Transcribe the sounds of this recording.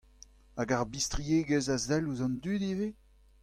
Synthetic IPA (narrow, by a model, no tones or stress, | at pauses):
aɡaʁbistʁieɡəzazɛluzɑ̃nd̪yːd̪ive